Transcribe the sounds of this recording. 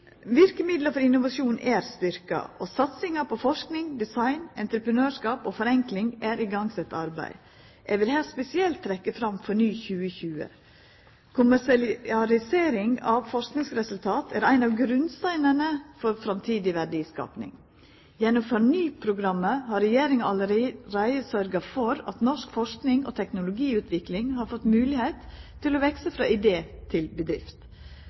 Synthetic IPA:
ʋɪɾkəmɪd̪ləfɔɾɪnːʊʋɑʂuːnʔæːɾst̪ʏɾkɑ̰ʔosɑt̪sɪŋɑpʰɔfɔʂknɪŋd̪ɪsɑɪnɛ̰nt̪ɾəpɾənøːʂkɑːpoːfɔɾɛŋklɪŋæːɾʔɪɡɑŋsɛt̪ːɑɾbæ̰ɪ | ʔɛʋɪlhæːspɛsɪɛlt̪ʰːɾɛkːəfɾɑmfɔɳyːçʉːəçʉːə̰ | kʰʊmæsɑɾɪseːɾɪŋɑʋfɔʂknɪŋsɾɛsʉlt̪ʰɑːt̪ʰæːɾæɪnɑʋɡɾʉnst̪æɪnənəfɔɾfɾɑmt̪ʰiːd̪ɪʋæɖiːskɑ̰ːpnɪ̰ŋ | jɛnːʊfɑɳyːpʰɾʊɡɾɑmːəhɑɾɛjeːɾɪŋɑɑləɾɾæɪəsœɾɡɑfɔɾɑ̰t̪nɔʂkfɔʂknɪŋo̰ːt̪ʰɛknʊlʊɡiːʉːt̪ʰʋɪklɪŋhɑːɾfɔt̪mʉːlɪheɪt̪ʰː | ɪloːʋɛksəfɾɑ̰ːʔɪd̪eːt̪ʰɪlbəd̪ɾɪ̰ft̪

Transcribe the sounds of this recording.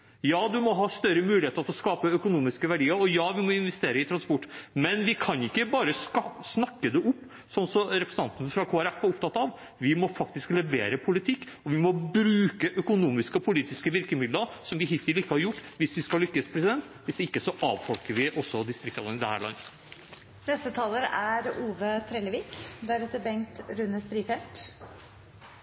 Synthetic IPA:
jɑːd̪ʉmɔɦɑːst̪œɾəmʉːɪheːt̪əɾt̪ɔskɑːpəœkʊnuːmɪskəʋæɖiːəɾɔjɑːʋɪmɔɪnʋɛst̪eːɾəɪt̪ʰɾɑnspʊʈːmɛnʋɪkʰɑnɪkːəbɑːɾəssnɑkːəd̪ɛʔʊpː | sɔnsɔɾɛpɾəsənɑnt̪ənəfɾɑkʰoːæɾɛfæɾʊpt̪ʰɑt̪ːɑʋ | ʋɪmɔfɑk̚t̪ɪsklɛʋeːɾəpʰʊlɪt̪ʰɪkː | ɔʋɪmɔbɾʉːkəʔœkʊnuːmɪskəɔpʰʊliːt̪ɪskəʋɪɾkəmɪd̪ləɾsɔmʋɪɦɪt̪ʋɪlɪkːəhɑɾjʊʈːʋɪsʋɪskɑlːʏkːəspʰɾɛsɪd̪ɛnt̪ʋɪsd̪ɛɪkːəsɔʔɑːʋfɔlkəɾʋɪʔɔsːɔd̪ɪst̪ɾɪk̚t̪ɑd̪ənɪd̪ɛhæ̰ːɭɑ̰nːə | nɛst̪ət̪ʰɑːləɾæɾuːʋət̪ʰɾɛləʋiːkd̪æɾɛt̪ːəɾbɛŋkt̪ɾʉnəst̪ɾiːfɛlt̪

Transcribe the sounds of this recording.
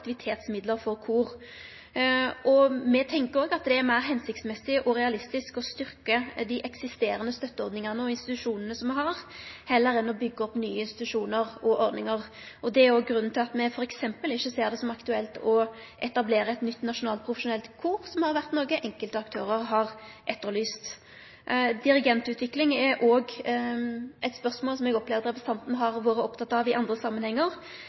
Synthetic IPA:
k̚t̪ɪʋɪt̪ʰeːt̪smɪd̪ləɾfɔɾkʰuːɾ | ɔmɛt̪ʰɛŋkəɾɔːɡɑt̪̚d̪ɛæɾmæɪɾɦɛnsɪk̚t̪smɛsːɪʔɔɾɛɑlɪst̪ɪskɔst̪ʏɾkəd̪ɪʔɛksɪst̪eːɾənəst̪œt̪ːəɔɾd̪nɪŋənəɔɪnst̪ɪt̪ʉʂuːnənəsɔmɛɦɑɾhɛlːəɾɛnːɔbʏɡːəɔpnyːəɪnst̪ɪt̪ʉʂuːnəɾɔʔɔɾd̪nɪŋəʁ | ɔd̪ɛæɾoːɡɡɾʉnːn̩t̪ɪlɑt̪mɛfɔɾɛksɛmpəlɪçːəseːʁd̪ɛsɔmɑkt̪ʉɛlt̪ɔ | ʔɛt̪ɑbleːɾəɛt̪nʏt̪ːnɑʂʊnɑːlt̪̚pʰɾʊfɛʂʊnɛlt̪kʰuːʁsɔmhɑɾʋæʁt̪nɔʁɡəʔɛŋkəlt̪əɑkt̪ʰøːɾəɾɦɑʁ | ʔɛt̪ːəɾlyːst̪ | d̪ɪɾɪɡɛnt̪ʉːt̪ʰʋɪklɪŋɛʔoːɡ | ʔɛt̪spœʁsmoːlsɔmɛɡɔpʰlɛːʋəɾɾɛpəsɑnt̪nəɦɑʁʋoːɾəɔpt̪ʰɑt̪ːɑʋɪʔɑnd̪ɾəsɑmːənhɛŋːəʁ

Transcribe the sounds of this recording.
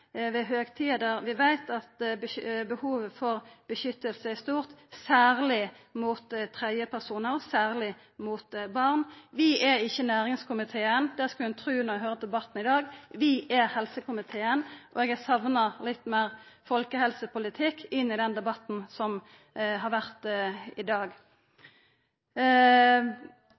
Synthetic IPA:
ʋɛɦøːɡt̪ʰiːɑd̪æɾʋɪʋæɪt̪ɑt̪bəbəhuːʋəfɔʁb̥əʃʏt̪ːəlsəæst̪uːʁt̪sæːʁlɪ | mʊt̪t̪ʰʁæəpʰæʁsuːnəɾɔsæːʁlɪ | mʊt̪bɑʁnʋɪʔɛɾɪçːənæːɾɪŋskʊmɪt̪ʰeːənd̪æːʁskɑlɛnt̪ʰʁʉːnɔɛɡhøːɾəd̪ɛbɑt̪ːn̩ɪd̪ɑːɡʋɪʔɛhɛlsəkʊmɪt̪ʰeːənʔɔɛɡæsɑʋnɑlɪt̪ːmæːʁfɔlkəhɛlsəpʰʊlɪt̪ʰɪkːɪnːɪd̪ɛnd̪ɛbɑt̪n̩sɔm | ɦɑːʁʋæʁt̪ɪd̪ɑːɡ

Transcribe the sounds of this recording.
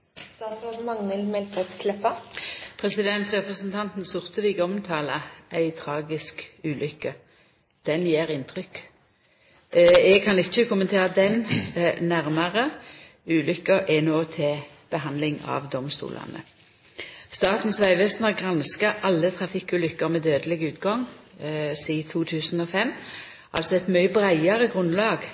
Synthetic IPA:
st̪ɑːt̪sʁoːdmɑŋnəlmɛlt̪ət̪kʰlɛpɑpʰʁɛsɪd̪ɛnt̪ʁɛpʁəsənt̪ʰɑnt̪n̩sʊʁt̪əʋɪɡɔmt̪ʰɑːləʔæɪt̪ʰʁɑːɡɪskʉːlʔʏkːə | d̪̥ɛnjeːʁɪnt̪ʰʁʏk | ɛɡ̚kʰɑnɪt͡ʃːəkʰʊmənt̪ʰeːʁəd̪ɛnnæʁməʁə | ʉːlʏkːəʔɛnoːt̪ʰɪl | b̥əɦɑnlɪŋɑ̰ʋd̪ɔmst̪ṵːlʔɑ̰nə̰ | st̪ɑːt̪n̩sʋæɪʋeːst̪nɑʁɡʁɑnskəʔɑlːət̪ʰʁɑfɪkʉːlʏkːəʁmɛːd̪øːd̪əlɪɡʉːt̪ɡɑŋ | siːt̪ʰuːt̪ʰʉːsn̩ɔfɛmː | ʔɑ̰lsɔɛt̪mœʏəbʁæɪɑʁəɡʁʉnlɑːɡ

